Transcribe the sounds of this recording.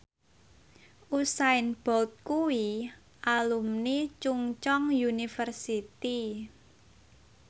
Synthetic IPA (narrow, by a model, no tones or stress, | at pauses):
ʔusaɪnb̥ɔlt̪̚kuwi | ʔalumnit͡ʃuŋt͡ʃɔŋjunifərsit̪i